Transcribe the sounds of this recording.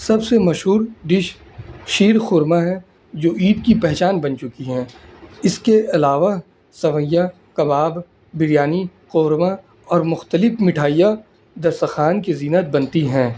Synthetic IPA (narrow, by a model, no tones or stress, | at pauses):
sɐbsemɐʃɦuːɾɖɪʃ | ʃiːɾxʊːɾmaɦɛ̃ | d͡ʒoːʔiːd̪kipɛɦt͡ʃaːnbɐnt͡ʃʊkiɦɛ̃ːɪskeʔɐlaːʋa | sɐʋə̃jja | kɐbaːb | bɪɾjaːni | qoːɾma | ɔːɾmʊxt̪əlɪfmɪʈʰaːija | d̪ɐɾsəxaːnkeziːnət̪̚bɐ̃nt̪iɦɛ̃ː